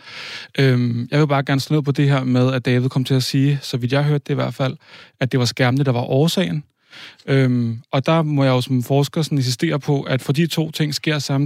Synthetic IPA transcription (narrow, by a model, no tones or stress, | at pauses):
ʔømjɑ̈ɪʋe̝b̥ɑ̈ːɡ̥æɐnsenḛpʰɒ̽d̥e̝ɦeɐ̰með̞ˠæd̥ɛːʋð̩ˠkʰɒ̽m̰t͡sʰe̝læsiːsɒ̽ʋid̥jɑ̈ɪɦøɐd̥e̝iʋæɐ̰d̥fæl̰æd̥e̝ʋɑ̈sɡ̥æɐmənəd̥ɑ̈ʋɑ̈ʔɒːsɛ̰ɪn̩ | ømʔɒ̽d̥ɑ̈mɒ̽jɑ̈jo̝sɒ̽mfɒːsɡ̥ɐsɒ̽ne̝nsisd̥e̝̰ːɐpʰɒ̽ʔæd̥fɒ̽d̥it͡sʰo̝̰ːt͡sʰe̝ŋ̰sɡ̥e̝ɐ̰sɑ̈m